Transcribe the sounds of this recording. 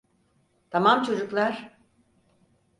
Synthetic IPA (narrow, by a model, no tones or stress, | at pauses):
t̪ʰamamt͡ʃʰo̞d͡ʒuklˠaɾ̥